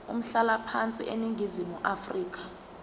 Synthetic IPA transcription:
ṵm̩ɬalapʰant͡sʼḭʔeniŋʱizimuʔafriːk̬ʰḁ

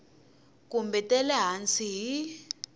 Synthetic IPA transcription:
kumbɛtʼɛlɛɦant͡sʰiɦi

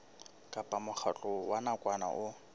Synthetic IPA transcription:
kʼapʼamʊχat͡ɬʼʊwanakʼwana̰ʔʊ

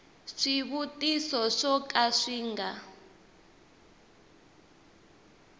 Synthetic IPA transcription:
ʂiβutʼisɔʂɔkʼaʂiːŋɡa

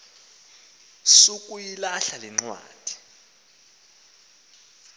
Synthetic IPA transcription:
sukʼujilaɬaliŋ͡ǀwa̰ːd̥ʱi̥

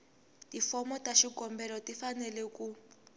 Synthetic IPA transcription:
tifɔmɔtaʃikɔmbɛlɔtifanɛlɛku

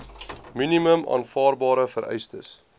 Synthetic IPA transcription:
miniməmɑ̰ːnfɑːrbɑːɾəfəɾʔɛ̰jstə̰s

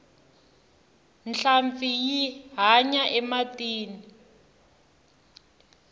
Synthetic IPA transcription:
nɬaɱfijiɦaɲaʔɛmatʼiːni

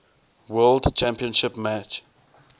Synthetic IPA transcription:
wɜldt͡ʃʰæ̃mpiə̃nʃɪpmæt͡ʃ

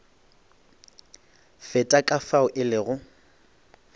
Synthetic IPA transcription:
fɛtʼakʼafaʊʔɪlɪɣʊ

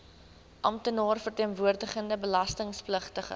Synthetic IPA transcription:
ʔɐmtənɑːrfərtiənvuərdəχəndəbəlɐstəŋspləχtəχə̰

